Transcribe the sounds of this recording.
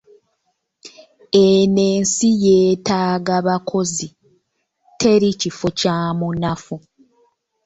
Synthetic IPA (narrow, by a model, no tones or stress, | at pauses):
ene̞ːnsije̞ːtaːɡaβakʰo̞zi | tʰe̞ɾicifocaːmunafu